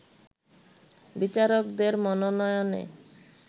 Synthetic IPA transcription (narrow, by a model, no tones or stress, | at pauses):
bit͡ɕaɾokd̪eɾmɔnonɔjonḛ